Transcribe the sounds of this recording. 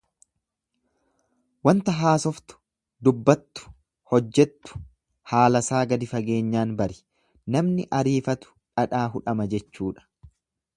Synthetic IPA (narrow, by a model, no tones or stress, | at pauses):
wɐnt̪ɐɦaːsɔft̪ʊ̥ | d̪ʊbːɐt̪ːʊ̥ | hɔd͡ʒːɛt̪ːʊ̥ | haːlɐsaːɡɐd̪ɪfɐɡe̞ːɲːaːnbɐɾɪ̥ | nɐmnɪʔɐɾiːfɐt̪ʊ̥ᶑɐᶑaːɦʊᶑɐmɐd͡ʒɛt͡ʃːuːᶑɐ̥